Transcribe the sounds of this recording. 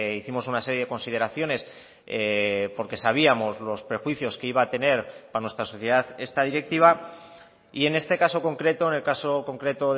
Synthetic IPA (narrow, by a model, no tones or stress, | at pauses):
iθimo̞sunase̞ɾjeðeko̞nsið̞e̞ɾaθjo̞ne̞s | epo̞ɾke̞saβ̞iamo̞zlo̞spɾe̞xwiθjo̞ske̞iβaːt̪e̞ne̞ɾpanwe̞st̪ɾaso̞θje̞ðaθe̞st̪að̞iɾe̞k̚t̪iβ̞a | ie̞ne̞st̪e̞kaso̞ko̞ŋkɾe̞t̪o̞ene̞lkaso̞ko̞ŋkɾe̞t̪o̞ð